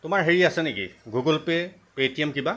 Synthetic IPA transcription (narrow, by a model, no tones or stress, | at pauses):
tʊmaɹɦeɹiasɛnekḭɡuɡɔlpɛ | petiɛmkiba